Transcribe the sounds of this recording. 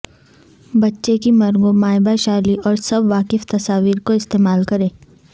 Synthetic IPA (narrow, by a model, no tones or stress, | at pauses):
bɐtːʃekimɐɾŋɡõmaːɪbaʃaːliʔɔːɾsɐbʋaːkɪft̪ɐsaːʋiːɾkoɪst̪eːmaːlkɐɾẽː